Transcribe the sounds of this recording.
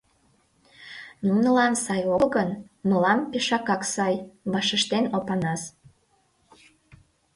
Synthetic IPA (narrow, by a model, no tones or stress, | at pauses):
numnəlɑnsɑjoɣən | məlɑmpeʃɑkɑksɑjβɑʃəʃt̪enopɑnɑs